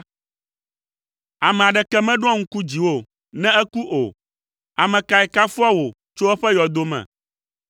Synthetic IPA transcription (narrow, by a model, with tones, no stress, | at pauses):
a˨mɛ̃˨a˨ɖɛ˨kɛ˦mɛ̃˦ɖ̃ɔ̃˦ŋ̩˦ku˦d͡ʑi˨wo˦ | nɛ̃˦ɛ˦ku˦ʔo̰˨ | a˨mɛ̃˨ka˨ɛ˨ka˦fu˦a˦wo˨ | t͡ʃo˦ɛ˦ɸɛ˦jɔ˨d̪o˦mɛ̰̃˨